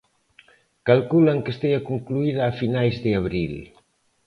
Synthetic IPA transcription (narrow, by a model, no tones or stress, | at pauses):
kalkulaŋkest̪eakuŋkluið̞aːfinajzðeaβ̞ɾil